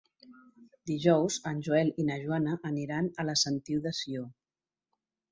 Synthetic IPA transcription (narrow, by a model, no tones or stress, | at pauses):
d̪iʒɔwzənʲʒuɛlinəʒwanəʔːniɾanələsənt̪iwðəsio